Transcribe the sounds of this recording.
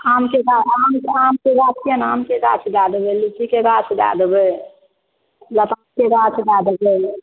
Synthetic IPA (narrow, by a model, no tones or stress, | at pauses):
amkeɡaamamkeɡat͡ʃijənamkeɾa̰t͡ʃʰd̪ad̪belut͡ʃikeɾat͡ʃʰd̪a̰d̪bə | lət̪amkeɾat͡ʃʰd̪ad̪əbə